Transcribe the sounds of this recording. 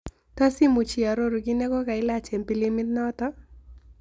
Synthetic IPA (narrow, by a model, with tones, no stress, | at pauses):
t̪ɔ˦si˦mu˨t͡ʃi˨a˨ɾo˦ɾu˨ɡi˦ne˦kɔ˦ka˨ɪ˦la˦t͡ʃe˨mpi˦li˦mɪ˦t̪̚nɔ˦t̪ɔ˦